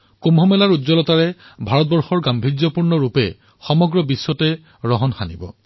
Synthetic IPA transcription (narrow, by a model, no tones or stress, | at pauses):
komɦɔmɛlaɹudzɔlɔtaɹɛ | bʱaɹɔt̚bɔɹxɔɹɡambʱizɔpuɹnɔɹupɛ̰ | xɔmɔɡɹɔbisːwɔtɛ | ɹɔɦɔnxanḭbɔ̰